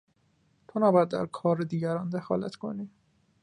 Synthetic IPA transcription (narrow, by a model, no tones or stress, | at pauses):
t̪ʰonæːbɒjæd̪ːæ̰ɾkʰɒːɾed̪iːɟæɾɒnd̪exɒ̰ːlæ̰t̪kʰo̞̰niː